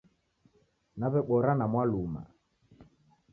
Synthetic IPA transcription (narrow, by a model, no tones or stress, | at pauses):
naβɛɓɔɾanamwaluma̰